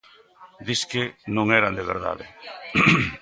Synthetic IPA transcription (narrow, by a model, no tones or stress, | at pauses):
d̪iskɪnõŋɛɾand̪eβ̞ḛɾða̰ðɪ